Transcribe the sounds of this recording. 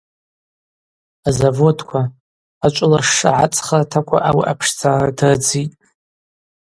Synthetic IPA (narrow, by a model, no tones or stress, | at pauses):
azavo̞dkʷʰa | at͡ʃʷʼlaʂa̰ʕa̰t͡sʼχartʰakʷʰa̰ʔawḭʔapʰʂd͡zaradrd͡zitʼ